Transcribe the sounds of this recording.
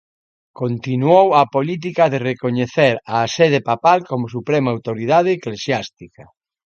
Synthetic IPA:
kont̪inuowɐpolit̪̬ikɐðerekoɲeθeɾaseðepapalkomʊsupɾɛmaawt̪oɾiðað̞eːklesjast̪ikɐ

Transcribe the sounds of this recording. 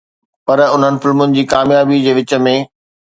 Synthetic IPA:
pɐɾʊn̤ənɪ̆fɪlmʊnɪ̆d͡ʑiːkaːmjaːbid͡ʑeːʋɪt͡ɕə̆mẽː

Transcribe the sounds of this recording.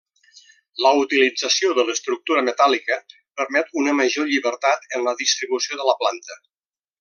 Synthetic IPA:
ləut̪ilid͡zəsioðələst̪ɾuk̚t̪uɾəmət̪alikə | pəɾmɛt̪unəməʒoʎiβəɾt̪at̪ənləðist̪ɾiβusioðələplant̪ə

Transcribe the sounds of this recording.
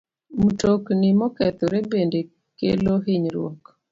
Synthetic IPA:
mutoknimɔkɛt̪oɾebende | kḛloɦiɲɾwɔk

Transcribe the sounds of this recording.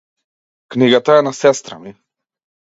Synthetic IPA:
kniɡat̪aɛnasɛst̪ɾɐmi

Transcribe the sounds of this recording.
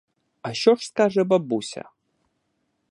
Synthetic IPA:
aʃɔʂskaʐɐbɐbusʲɐ̰

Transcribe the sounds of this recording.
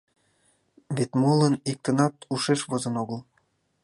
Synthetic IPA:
βet̪molənik̚t̪ənɑt̪uʃeʃβozə̆noɣəlˠ

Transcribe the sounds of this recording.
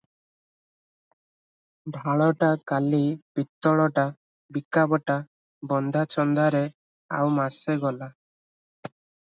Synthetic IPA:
bʱaɭɔʈakalib̥it̪ːɔɭɔʈa | bikabɔʈa | bɔnd̪ʱat͡ʃɔnd̪aɾe | a̰wmaseɡɔla

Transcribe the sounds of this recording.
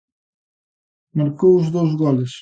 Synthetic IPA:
maɾkowʊzðowzɣɔlɪs

